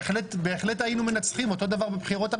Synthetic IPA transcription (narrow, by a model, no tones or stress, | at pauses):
χlet̪beːχle̞t̪ajinume̞nat͡sχimo̞t̪o̞d̪avaʁbebχiʁo̞t̪a